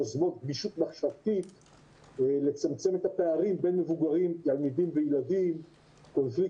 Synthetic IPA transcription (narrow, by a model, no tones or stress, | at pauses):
azmot̪̚ɡbiʃut̪maχʃavt̪it̪ | le̞t͡samt͡se̞me̞t̪hapeaʁimbe̞nmevuɡaʁimt̪almid̪imvejladim | ko̞nflik